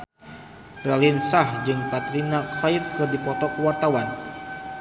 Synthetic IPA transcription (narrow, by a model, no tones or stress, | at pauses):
rɛlinsahd͡ʒɨŋkat̪ɾinakajfkɨrdipɔt̪ɔkuwart̪awan